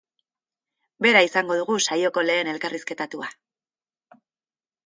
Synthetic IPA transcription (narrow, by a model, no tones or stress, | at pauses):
be̞ɾaisaŋɡo̞ð̞uɣusajo̞ko̞le̞ːne̞lkariske̞t̪at̪ua